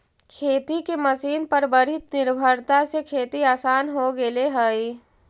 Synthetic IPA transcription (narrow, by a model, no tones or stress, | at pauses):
kʰeːt̪ikeməsiːnpəɾbəɾɪt̪nɪɾbʱəɾt̪asekʰeːt̪iaːsaːnɦoɡeleɦəi